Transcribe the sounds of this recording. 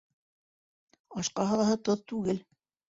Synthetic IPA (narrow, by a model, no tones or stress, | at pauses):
ɑʃqɑhɑ̆lˠɑɦɤt̪oðt̪ʉɡɘl